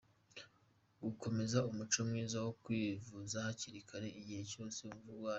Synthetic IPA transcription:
ɡuko̞me̞zaumut͡ʃomŋiːzawo̞kwiːvuzahaciɾikʰaɾe̞iɟihe̞co̞ːse̞uɱvuwaː

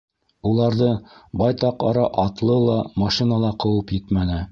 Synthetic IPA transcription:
ulˠɑɾðɤbɑjt̪ɑqɑɾɑʔɑt̪lˠɤlˠɑmɑʃinɑlˠɑqɤ̆wɤpjɘt̪mænɘ

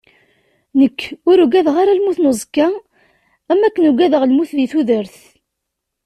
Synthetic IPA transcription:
nəkːʊɾuɡæðʁaɾalmuθnozˤkːa | æmːækːənuɡæðəʁlmuθðiθuðəɾθ

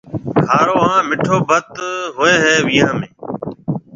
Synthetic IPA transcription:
kaːɾoːãːmɪʈʰoːbʱət̪ɦoːeːɦɛːʋiːãːmḛ̃ː

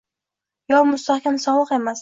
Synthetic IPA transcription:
jɒwmʊst̪ʰahkʲamsɒbɨqe̞mas

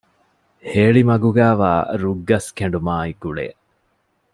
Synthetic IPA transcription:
heːɭimɐɡuɡæːʋa̰ːɾuɡːɐskeɳ̆ɖumaːiɡuɭḛː

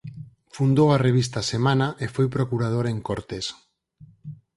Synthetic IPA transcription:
fund̪owareβ̞is̬t̪asemãnaʔefojpɾokuɾað̞oɾeŋkoɾt̪es

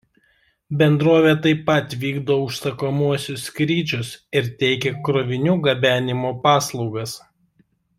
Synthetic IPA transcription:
bʲɛnd̪ɾoːʋʲeːt̪ɐɪpːɐt̪ʋʲiːɡd̪oːʊʃsɐkomuɔsʲʊskɾʲiːt͡ʃʲʊsɪɾt̪ʲɛɪkʲeːkɾɔːʋʲɪnʲuːɡɐbʲæːnʲɪmoːpɑːslˠɒʊɡɐs

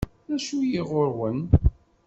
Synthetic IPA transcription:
æʃujiʁoɾwən

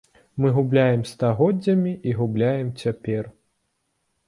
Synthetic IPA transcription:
mɨɣublʲajɛmst̪aɣɔdd͡zʲːɐmʲiʔiɣublʲajɛmt͡sʲapʲɛr

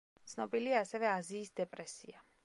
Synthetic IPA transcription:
t̪sʰnɔbiliaːsɛvɛaziːsd̪ɛpʼɾɛsḭa

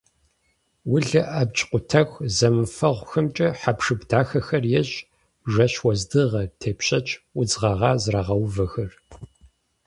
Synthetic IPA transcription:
wʊɮɐʔɐb̚t͡ʃʼqʷʊtʰɐxʷzɐmɨfɐʁʷxɨmt͡ʃʼɐħapʂɨbdaːxɐxɐrjɛɕʼ | ʒɐɕwɐzdɨʁɐtʰeːpɕʼɐt͡ʃʼʔʷʊd͡zʁɐʁɑːzraʁɐwvɐxɐr

